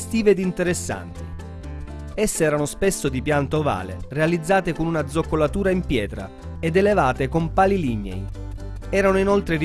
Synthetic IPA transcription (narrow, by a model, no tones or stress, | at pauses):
st̪iːveːd̪int̪eɾesːa̰nt̪i | ɛsːeɛːɾanospesːod̪ipjant̪ova̰ːlḛrealid̪zːaːt̪ekonunad̪zokːolat̪uːɾaimpjɛːt̪ɾa̰ | ed̪elevaːt̪ekompaːliliɲːḛj | ɛːɾanoinolt̪ɾeɾi